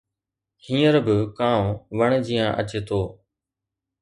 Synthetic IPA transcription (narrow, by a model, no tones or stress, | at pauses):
hĩːəɾbɪkãːʋəɳd͡ʒiːjãːʔət͡ʃeːt̪oː